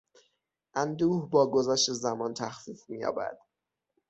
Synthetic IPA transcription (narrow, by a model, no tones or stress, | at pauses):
ʔænd̪uːhbɒːɡozæʃt̪e̞zæmɒːnt̪ʰæxfiːfmijɒ̰ːbæ̰d̪̥